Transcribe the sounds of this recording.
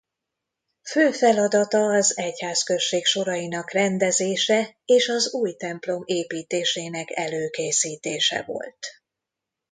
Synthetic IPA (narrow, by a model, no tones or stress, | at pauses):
føːfɛlɒd̪ɒt̪ɒːzɛchaːskø̞ʃeːkʃo̞ɾɒjinɒkrɛnd̪ɛzeːʃɛeːʃɒzuːjt̪ɛmplo̞meːpiːt̪eːʃeːnɛkɛløːkeːsiːt̪eːʃɛ̰vo̞̰lt̪